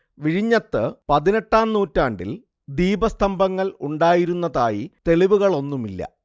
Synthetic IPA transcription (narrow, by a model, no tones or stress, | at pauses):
ʋiɻiɲːɐt̪ːɨpɐðine̞ʈːaːnnuːtːaːɳɖil | d̪iːbɐst̪ʰɐmbʱɐŋːɐɭuɳɖaːjiɾunːɐðaːjit̪e̞ɭiʋuɣɐɭo̞nːumilːɐ̰